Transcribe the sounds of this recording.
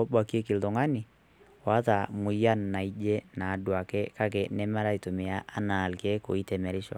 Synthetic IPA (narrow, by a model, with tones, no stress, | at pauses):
o˦bwa˨ki˦e˦ki˨lto˨ŋa˦ni˨ | wa˦ta˨mu˨i˦a˦nna˨i˦d͡ʒe˦na˨dwa˨kɛ˦ka˦k̬e˨nɛ˦ma˦ɾa˦i˨to˨me˨a˦ʔa˦na˨lke˦ko̰˨i˦tɛ˨mɛ˨ɾi˦ʃɔ̰˨